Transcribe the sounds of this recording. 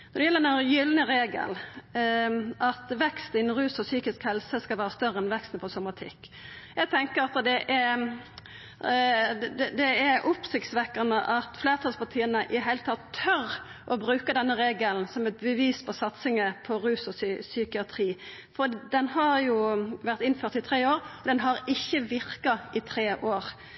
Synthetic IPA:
nɔd̪ɛjɛlːəɾnæɾjʏlnəɾeːɡə̰l | ʔɑt̪ʋɛkst̪ɪnn̩ɾʉːsɔsyːkɪskhɛlsəskɑlʋæːɾəst̪œɾəɛnʋɛkst̪nəpʰɔsɔmɑt̪ʰɪkː | jæɪɡt̪ʰɛŋkəɾɑt̪d̪ɛʔɛ | d̪d̪ɛɛɾʔʊpsɪkt̪sʋɛkːənəʔɑt̪fleːʁət̪ʰɑlspɑt̪ʰiːənəʔɪɦæɪlət̪ʰɑt̪ʰːœɾ | ʔɔbɾʉːkəd̪ɛnːəʁeːɡəln̩sɔmɛt̪̚bəʋiːspʰɔsɑt̪sɪŋəpʰɔɾʉːsɔsykɪɑt̪ʰɾiː | fɔd̪ɛnhɑɾjʊʋæʁt̪ɪnføːɾt̪ɪt̪ʰɾeːoːɾɔd̪ɛnɦɑɾɪçːəʋɪɾkɑɪt̪ʰɾeːʔoːɾ

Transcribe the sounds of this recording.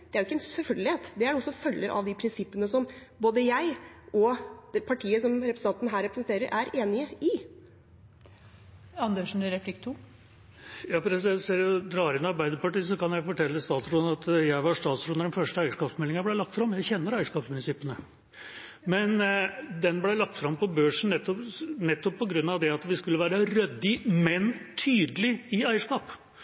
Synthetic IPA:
d̪̥ɛæɾjʊɪkːəɛnsɛlfœlɡəlɪheːt̪d̪ɛæɖɔsːɔfœlːəɾʔɑ̰ʋd̪ɪpʰɾɪnsɪpːənəsɔmboːd̪əjæɪʔɔ̥ɛpʰɑʈʰiːəsɔmɾɛpɾəsəɑnt̪nɦæːɾɛpɾəsən̩t̪eːɾəɾʔæɾeːnɪəɪ | ɑnd̪øʂn̩ɾɛpʰlɪkt̪ʰu | jɑːfɾɛsɛsɛld̪ɾɑːɾɪnɑɾbæɪd̪əpɑʈiːs̬ɔkɑnjæɪfɔʈʰɛlːəst̪ɑːt̪sɾuːnɑt̪jæɪʋɑʂt̪ɑːt̪sɾuːnəɖɛnfœʂʈəæɪəʂkɑːpsmɛlːɪŋəblæɪlɑkt̪fɾɑmjæɪçɛnːəɾæɪəʂkɑːpsmʏnɪsɪpːənə | mɛnd̪ɛnblæɪlɑk̚t̪fɾɑmpɔbøːʂɳ̩nɛt̪ːɔnɛt̪ːɔppʰːɔɡɾʉnːɑʋd̪ɛɑt̪ʋɪskʉlːəʋæːɾəɾœd̪ːɪmɛnt̪ʰyːd̪əlɪɪæɪəʂkɑːp

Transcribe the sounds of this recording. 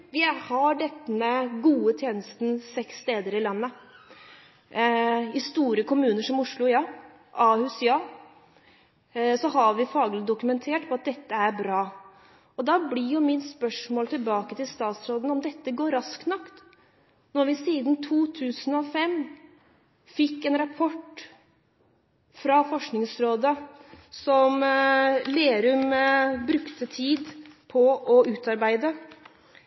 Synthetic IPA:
ʋɪhɑɖɛt̪ːəməɡuːət̪ʰjeːnəst̪n̩sɛkst̪eːd̪əɾɪlɑnːə | ɪst̪uːɾəkʰʊmʉːnəʂɔmʊʂlʊjɑː | ʔɑːhʉsjɑː | sɔɦɑɾʋɪfɑːɡlɪd̪ʊkʉmɛnt̪ʰeːʈpʰɔɑt̪̚d̪ɛt̪ːəæɾbɾɑː | ɔd̪ɑblɪjʊmɪnspœʂmoːlt̪ʰɪlbɑːkət̪ɪlst̪ɑːt̪sɾoːd̪nɔmd̪ɛt̪ːəɡoːɾɑsk̪nɑkt̪ | nɔɾʋɪsiːd̪n̩t̪ʰuːt̪ʰʉːsn̩ɔfɛm | fɪkːɛːnɾɑpʰɔʈ | fɾɑfɔʂknɪŋsɾoːd̪əsɔm | leːɾʉmbɾʉkt̪ət̪ʰiːd̪pʰɔɔʔʉːt̪ɑɾbæɪd̪ə

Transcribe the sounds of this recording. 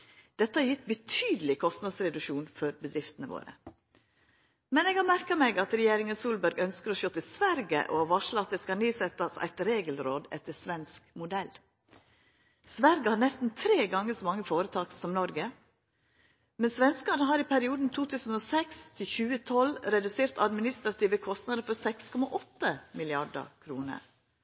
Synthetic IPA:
d̪̥ɛt̪ːəɑjɪt̪̚bət̪ʰyːd̪əlɪkʰɔst̪nɑd̪sɾɛd̪ʉʃuːnfɔɾbəd̪ɾɪft̪ənəʋo̰ːɾə̰ | mɛneːɡhɑːmæɾkɑmɛɪɡɑt̪ɾɛjeːɾɪŋənsuːlbœɾɡœnskəɾɔʃoːt̪ɪsʋæɾɡə̰ʔo̰ɑʋɑːʂlɑt̪d̪əskɑniːsɛt̪ɑsæ̰ɪt̪ɾeːɡəlɾoːd̪ɛ̰t̪ːəsʋɛnskmʊd̪ɛlː | sʋæɾɡəhɑːɾnɛst̪n̩t̪ʰɾeːɡɑŋːəsɔmɑŋːəfoːɾət̪ʰɑːksɔmnɔɾɡə | mɛnsʋɛnskɑnəɦɑːɾɪpʰæɾɪuːd̪n̩t̪ʰuːt̪ʰʉːsn̩oːsɛkst̪ʰɪlçʉːət̪ʰɔlɾɛd̪ʉseːɾt̪ɑd̪mɪnɪst̪ɾɑt̪ʰiːʋəkʰɔst̪nɑd̪əɾfɔɾsɛkskʰɔmɑʔɔt̪ːəmɪlɪɑɖə̰kʰɾuːnə̰ɾ

